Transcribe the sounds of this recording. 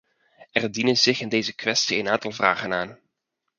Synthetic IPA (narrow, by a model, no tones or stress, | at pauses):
ɛrdinənzɪχɪndejzəkʋɛstiənaːntɑlˠvra̰ːχənaːn